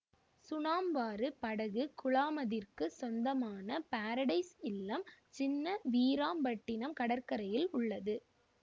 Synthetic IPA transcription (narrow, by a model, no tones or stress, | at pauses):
sʊnaːmbaːɾɯpɐɽɐɣɯkʊɭaːmɐðɪrkɯsɔnd̪ɐmaːnɐpaːɾɐɽɐɪsɪlːɐmt͡ʃɪnːɐʋiːɾaːmbɐʈːɪnɐmkɐɽɐɾkɐɾɐjɪlʊɭːɐðɯ